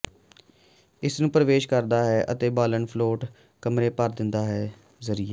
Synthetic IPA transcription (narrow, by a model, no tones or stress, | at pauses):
ɪsnũːpɾəʋeːʃkəɾd̪aːɦɛːʔə̰t̪eːbaːlənpʰloːʈ | kəmɾeːpəɾd̪ɪnd̪aːɦɛː | zəɾiːeː